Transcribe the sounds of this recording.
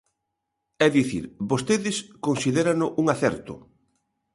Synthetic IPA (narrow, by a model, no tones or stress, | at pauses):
ɛðiθḭɾbost̪eðɪskonsiðeɾanʊʔuŋaθɛɾt̪ʊ̰